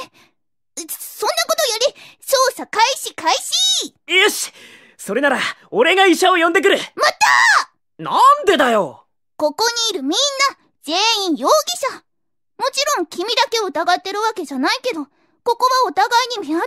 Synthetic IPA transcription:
sõ̞nːako̞t̪o̞joɾʲi | soːsakaiɕikaiɕi | eɕ | so̞ɾe̞naɾaoɾe̞ɡaiɕaojond̪e̞k̬ɯ̟ɾɯ̟mat̪a | nand̪e̞d̪ajo̞̰ | ko̞ko̞ɲ̟iːɾɯ̟mʲĩnːa | d͡z̥e̞ːĩɰ̃jo̞ːɡʲiɕa | mo̞t͡ɕiɾõ̞ŋkʲimʲid̪ake̞oɯ̟t̪aɡat̪ːe̞ɾɯ̟βake̞ʑanaike̞d̪o̞ | ko̞ko̞βao̞t̪aɡaiɲ̟imea

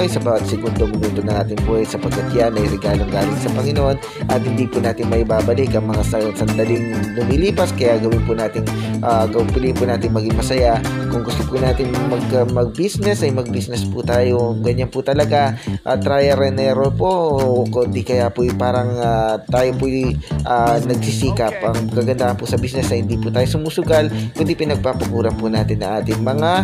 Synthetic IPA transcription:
ɐjsɐbaːwɐt̪̚sɛɡund̪omɪnuːnd̪onɐŋʔaːt̪ɪŋpuːhɐjsɐpɐɡ̚kːɐt̪janɐɪɾɛɡaːloŋɡaːlɪŋsɐpɐŋɪnoʔo̞n | ʔɐt̪̚hɪnd̪ipʊnaːt̪ɪnmɐʔɪbaːbɐlɪkɐŋmɐŋasɐsɐnd̪ɐlɪŋlʊmiːliːpɐskɐjaɡɐwɪnpʊnaːt̪ɪŋʔaɡɐpɪlipʊnaːt̪ɪŋmɐɡɪŋmɐsɐjakʊŋɡʊst̪opʊnaːt̪ɪŋmɐɡɐmɐɡ̚bisnɛsɐjmɐɡ̚bisnɛspʊt̪aːjoɡɐɲanpʊt̪ɐlɐɡaʔɐ̰t̪ːɾajɛɾɛnɛɾopookond̪ikɐjapʊjpaːɾɐŋat̪aːjopʊjʔanɐɡ̚sisiːkɐpʔɐŋkɐɡɐnd̪aːʔɐnpʊsɐbiːsnɛsnɐhɪnd̪iːpʊt̪aːjosʊmuːsʊɡalkʊnd̪ipɪnɐɡ̚papɐkuːɾɐpʊnaːt̪ɪnːɐŋʔaːt̪ɪŋmɐŋa

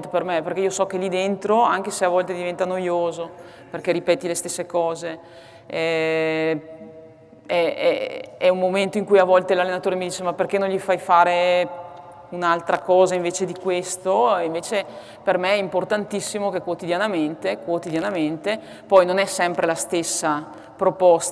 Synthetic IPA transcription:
t̪opermeperkeiːosɔk̟ːelid̪ent̪ɾoaŋk̟eseavːɔlt̪ed̪ivent̪anojoːzo | perk̟eɾipɛːt̪ilest̪esːekɔːze | ɛ | ɛɛ̰ɛummoment̪oiŋkujavɔlt̪elalːenat̪oːɾemid̪iːt͡ʃemaperk̟enõnʎifajfaːɾe | unalt̪ɾakɔːzaiɱveːt͡ʃed̪ikwest̪oeiɱveːt͡ʃe | permeɛimport̪ant̪isːimokekːwot̪id̪janament̪ekwot̪id̪janament̪e | pɔjnonɛsɛmpɾelast̪esːa | pɾopɔst̪

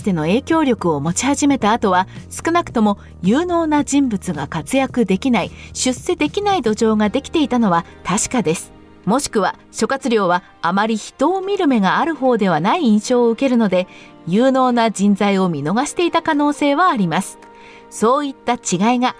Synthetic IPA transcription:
i̥t̪e̞no̞e̞ːkʲo̞ːɾʲjo̞kɯ̟omo̞t͡ɕi̥haʑime̞t̪aːt̪o̞βasɨ̥kɯ̟nakɯ̥t̪o̞mo̞ | jɯːno̞ːnad͡ʑĩmbɯ̟t͡sɨɡakat͡sɨjakɯ̟d̪e̞kʲinaiɕɨsːe̞d̪e̞kʲinaid̪o̞ʑo̞ːŋad̪e̞kʲi̥t̪e̞it̪ano̞βa | t̪aɕi̥kad̪e̞sɨ̥ | mo̞ɕi̥kɯ̟βa | ɕo̞kat͡sɨɾʲjo̞ːβaː | maɾʲiçi̥t̪o̞ːmʲiɾɯ̟me̞ɡaːɾɯ̟ho̞ːd̪e̞β̞anaiĩɰ̃ɕo̞ːoɯ̟ke̞ɾɯ̟no̞d̪e̞ | jɯːno̞ːnad͡ʑĩnd͡zaio̞mʲino̞ɡaɕi̥t̪e̞it̪akano̞ːse̞ːβaːɾʲimasɨ̥ | so̞ːit̪ːat͡ɕiɡaiɡa

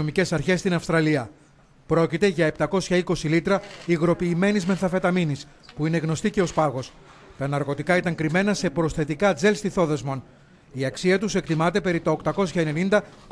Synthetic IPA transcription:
omice̞sɐɾçe̞st̪inɐfst̪ɾɐliɐ | pɾo̞cit̪e̞ʝɐept̪ɐko̞sçɐiko̞silit̪ɾɐiɣɾo̞piːme̞nizmenθɐfe̞t̪ɐminis | puineɣno̞st̪ice̞o̞spɐɣo̞s | t̪ɐnɐɾɣo̞t̪ikɐit̪ɐŋkɾime̞nɐse̞pɾo̞sθe̞t̪ikɐd͡ze̞lst̪iθo̞ðezmon | iɐksiɐt̪use̞kt̪imɐt̪e̞pe̞ɾit̪ɐokt̪ɐko̞sçɐenenind̪ɐk

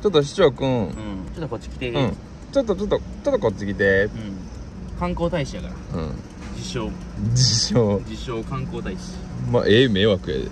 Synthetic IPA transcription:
t͡ɕot̪ːoɕ̬i̥t͡ɕokɯ̟̃ɯ̃t͡ɕot̪ːokot͡ɕːi̥kʲi̥t̪eɯ̟̃ɴ | t͡ɕo̞t̪̬ːot͡ɕot̪ːot͡ɕot̪ːokot͡ɕɨɡʲid̪eɯ̃ | kãŋkoːt̪aiɕiaka̰ɾaɯ̟̰̃ | d͡ʑiɕoː | d͡ʑiɕoːd͡ʑiɕoːkãŋkoːt̪aiɕma̰ʔeːmeːβakɯ̟ḛ

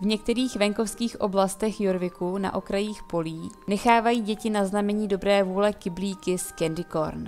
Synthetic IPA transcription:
vɲɛk̚t̪ɛɾiːxvɛŋko̞fskiːxʔo̞blast̪ɛxjuɾvɪkuna̰ʔo̞kɾajiːxpo̞liːnɛxaːvajiːɟɛcɪnaznamɛɲiːdo̞bɾɛːvuːlɛkɪbliːkɪskɛndɪko̞̰ɾn

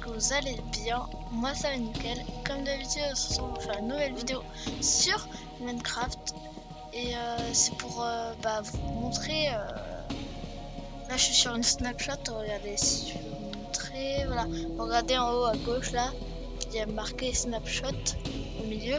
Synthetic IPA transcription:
kəvuzalebjɛ̃ | mwasaanikʲɛlkɔmt̪yavid̪esɔ̥sɔ̃fɛ̃lanuvɛlvid̪eo | syʁ | mankχaft̪ | eøsɛpuʁøbavumɔ̃t̪χeø | laʒə̥ʃɥisyʁynsnapʃɔt̪uʁəɡaʁd̪esi̥t̪yvømɔ̃t̪χevwalaʁəɡaʁd̪eɑ̃oaɡoʃla | jamaʁkesnapʃɔt̪omiljø

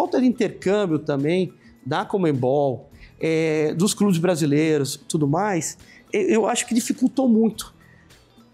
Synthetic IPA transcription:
awt̪ɐd̪ɪĩnt̪eɾkɐ̃bjʊt̪ɐ̃mbẽj̃d̪ɐkomẽbɔwɛd̪ʊsklubɪzbɾazileɾʊst̪ud̪ʊmajseʔewaʃʊ̥kɪd͡ʒifikuwt̪owmũj̃t̪ʊ̥

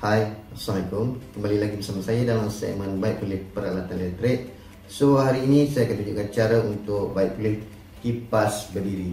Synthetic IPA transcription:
hajsamajkʊmkəmbalilaɡibərsamasajadalamsɛ̰ʔ̚mə̃nbaiʔ̚pulɪhpəɾalat̪anlɛt̪ɾɪk̚ | səuaɦaɾiːnĩsajakət̪uɲd͡ʒukant͡ʃaɾaunt̪ʊk̚baiʔ̚pulɪh | kipasbərdiɾi

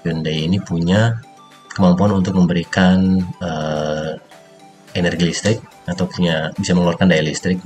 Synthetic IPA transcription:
ʊndajinipuɲa | kəmampuanunt̪ʊk̚məmbəɾikanə | enɛrɡilist̪ɾɪk̚ | at̪awpuɲabisaməŋluarkandajalist̪ɾɪk̚

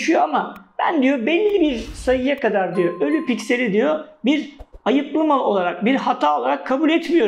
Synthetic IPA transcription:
ʃijoamab̥æ̰nd̪ijo̞bɛlʲːiibiɾsajɯjakad̪aɾd̪ijoʔølʲypicse̞ɾʲid̪ijo̞biɾajɯp̪lˠamalˠo̞lˠaɾak̚biɾhat̪ʰaːo̞lˠaɾakʰːabulʲɛt̪mijo̞ɾ

